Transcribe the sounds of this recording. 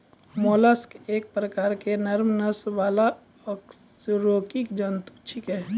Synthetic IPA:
moːlaskeːk̚pɾəkaːɾkenəɾmnəsʋaːla | əks | ɾoːkikd͡ʒənt̪u̥t͡ʃʰikɦɛ

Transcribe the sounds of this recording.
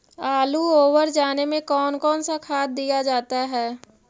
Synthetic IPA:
aːluoːwəɾd͡ʒaːnemẽkɔːnkɔːnsakʰaːt̪̚d̪ijad͡ʒaːt̪aɦɛː

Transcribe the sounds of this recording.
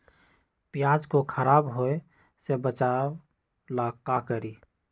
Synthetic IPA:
pjad͡ʒkokʰəɾabɦoe | sebət͡ʃa | lakakəɾi

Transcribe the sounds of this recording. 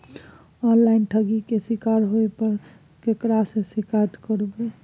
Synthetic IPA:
ɔnlainʈʰəɡikesikaɾɦoepəɾ | kekɾasẽsikat̪kəɾbe

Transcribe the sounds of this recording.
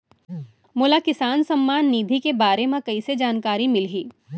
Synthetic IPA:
mʊlakɪsaːnsɐmːaːnːiːd̪ʱikebaːɾemãkɐised͡ʒaːnkaːɾimɪlɦiː

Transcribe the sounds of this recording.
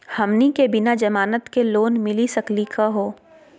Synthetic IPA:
hɐmnikebɪnad͡ʒɐmaːnət̪keloːnmɪlisɐklikʰaɦoː

